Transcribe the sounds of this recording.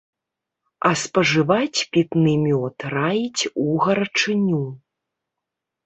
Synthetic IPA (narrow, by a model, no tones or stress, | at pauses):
ɐspɐʐɨvat͡sʲpʲit̪nɨmʲɔt̪rajit͡sʲuɣɐɾɐt͡ʂɨnʲu